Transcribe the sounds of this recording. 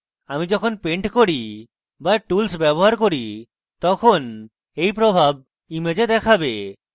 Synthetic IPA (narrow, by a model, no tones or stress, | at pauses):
amid͡ʒɔkʰonpeɳʈkoɾi | baʈulsbɛboɦaɾkoɾi | t̪ɔkʰon | ejpɾobʱab̚ | imed͡ʑed̪ɛkʰabe